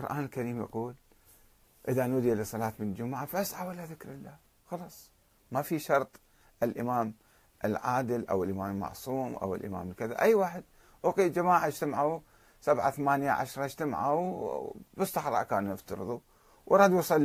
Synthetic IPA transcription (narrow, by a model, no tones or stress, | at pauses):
qʊɾʔaːnɪlkaɾiːmjɑ̰quːl | ʔɪðanuːd̪ilisˤːɑlɑːt̪mɪnd͡ʒʊmʕafasʕawalaðɪkɾɪlːaːh | xɑlɑsˤ | mafiʃɑɾˤt̪ˤ | ʔɪlʔɪmaːm | ʔɪlʕaːd̪ɪlʔa̰wɪlʔɪmaːmɪlmɑ̰ʕsˤuːmʔa̰wɪ̰lʔɪma̰ːmlkɪða̰ʔajːwaːħɪd̪̚ | ʔuqiːld͡ʒamaːʕad͡ʒt̪amʕu | sabʕaθamaːnjaʕa̰ʃɾˤɑd͡ʒt̪amʕaw | bɨstːɑħɾˤɑ̰ːʔkaːnjɪft̪ɑɾɨ̰ðˤu | wʔɑɾˤɑːd̪wsˤɑlː